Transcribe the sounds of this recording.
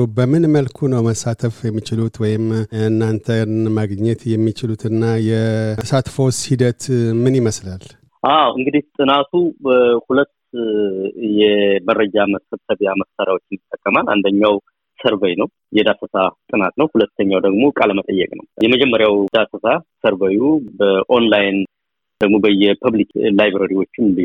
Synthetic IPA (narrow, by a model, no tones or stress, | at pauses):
bəmɨnməlkʰunəwməsːat̪ʰəfjɛmːit͡ʃɪlut̪wɔjɪmɨnːant̪ʰənmaɡɲːɛt̪jɛmːit͡ʃɪlut̪ʰɨnːajɛsat̪fo̞shid̪ət̪mɨniməslal | ʔawɨŋɡɨd̪iht̪ʼɨnat̪ʰuhulət̪ː | jɛmərːəd͡ʒaməsəbsəβjaməssaɾjawo̞t͡ʃːɪnjɪt̪ʼːəkʼːəmala̰nd̪əɲːaw | səɾβəjnəw | jɛd̪asəsat̪ʼɨnat̪nəwhulət̪ːəɲːawd̪əɡmo̞kʼaləmət̪ʼəjːɛkʼnə̰wjɛməd͡ʒɛmːəɾjawd̪asəsasəɾbəjubəʔo̞nlajn | d̪̥əɡmo̞bəjɛpʰəβliklajβɾəɾiwo̞t͡ʃːɪnli